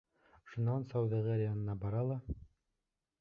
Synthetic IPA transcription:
oʃŭnːɑnsɑwðɑʁæɾʲijanɤ̆nɑbɑɾɑlˠɑ

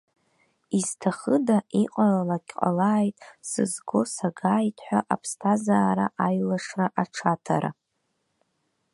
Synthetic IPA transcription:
iztʰaχədaiqʼalalaɡʲqʼa̰laːjtʼsɨ̰zɡo̞saɡaːjtʰʼħʷᶣaʔapʰstʰazaːɾaʔajlaʂraʔaʈ͡ʂʰatʰa̰ɾa̰

